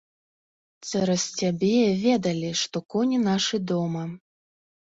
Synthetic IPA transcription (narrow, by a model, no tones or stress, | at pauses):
t̪t͡s̪ɛɾɐsʲt͡sʲabʲɛvʲɛd̪ɐlʲiʂt̪ɔkɔnʲinaʂɨd̪ɔmɐ